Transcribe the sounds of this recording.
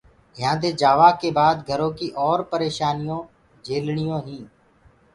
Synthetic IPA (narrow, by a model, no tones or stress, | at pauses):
ɦjãːd̪eːd͡ʒaːʋaːkeːbaːd̪ɡʱəɾõːkiːʔɔːɾpəɾeːʃaːnɪjõː | d͡ʒʱeːlɳɪjõːɦĩː